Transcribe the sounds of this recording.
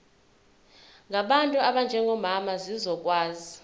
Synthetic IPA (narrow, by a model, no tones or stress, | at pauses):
ŋʱaɓantʼuaɓand͡ʒʱɛŋɡʱɔmamazizɔk̬ʼwaːzi